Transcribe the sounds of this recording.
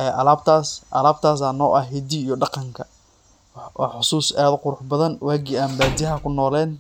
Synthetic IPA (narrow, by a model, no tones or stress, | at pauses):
ɛːʔɐlaːb̚t̪ʰaːsʔɐ̰laːb̚t̪ʰaːs̬aːnɔːʔɐɦɛd̪iijɔɖɑqɑŋkʰɐ | wʔɑ̰ħʊsuːsaːðʊqʊɾʊħbɐðɐnwaːɡɪaːmbaːd̪jɐɦɐkʰʊnɔːlɛːn